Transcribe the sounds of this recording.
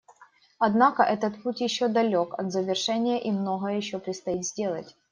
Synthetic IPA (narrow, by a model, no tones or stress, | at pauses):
ɐd̪nakəʔɛt̪ət̪putʲjɪɕːod̪ɐlʲo̞kɐ̰d̪zəvʲɪrʂɛnʲɪjəʔimno̞ɣəjəjɪɕːopɾʲɪt̪st̪ɐit̪zʲdʲe̞lˠə̰tʲ